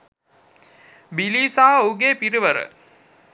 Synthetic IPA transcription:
biliːsaɦɐuɡeːpiɾiʋəɾə̰

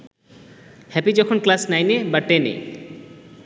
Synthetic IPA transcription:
hɛpid͡ʒɔkʰonklasnajnebaʈːenḛ

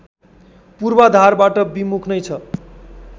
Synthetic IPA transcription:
purbad̪ʱarbaʈʌbimukʰnʌjt͡sʰʌ

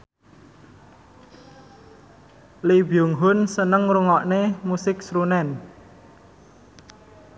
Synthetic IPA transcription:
libiʊŋɦʊnsənəŋɾuŋɔʔnemusɪk̚sɾunɛn

